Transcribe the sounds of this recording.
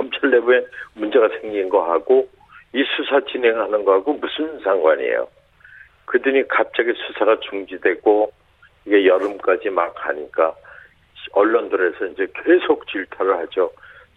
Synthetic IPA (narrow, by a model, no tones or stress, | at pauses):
ʌmt͡ɕʰaɭːebuenmund͡ʑe̞ɡasʰe̞ŋɡinɡʌɦaɡo | isʰusʰat͡ɕinɦe̞ŋɦanɯnɡʌɦaɡomusʰɯnsʰaŋɡwaɲiḛjo̰ | kɯdɯɲikap̚t͡ɕ͈aɡesʰusʰaɡat͡ɕuŋd͡ʑidwe̞ɡo | iɡe̞jʌɾɯmk͈ad͡ʑimaka̰ɲik͈a | ʌɭːʌndɯɾe̞sʰʌind͡ʑe̞kesʰok̚t͡ɕiɭtʰaɾɯɭhad͡ʑo